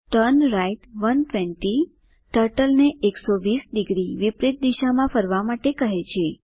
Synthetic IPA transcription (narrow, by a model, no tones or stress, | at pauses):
ʈənɾaiʈʋənʈʋeɳʈi | ʈəɾʈəlneʔeksoʋisɖiɡɾiʋipɾɪt̪̚d̪iʃamãfəɾʋamaʈekəɦet͡ʃʰe